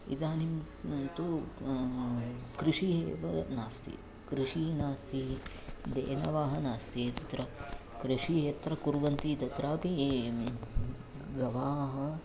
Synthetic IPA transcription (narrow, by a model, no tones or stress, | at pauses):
id̪aːnim | t̪u | kɾiʂiɦeːʋɐnaːst̪ḭ | kɾiʂiːnaːst̪i | d̪ḛːnɐʋaːɦɐnaːst̪it̪ɐt̪ɾɐkɾiʂiːɦɐt̪ɾɐkuɾʋɐnt̪id̪ɐt̪ɾaːpi | ɡɐʋaːɦɐ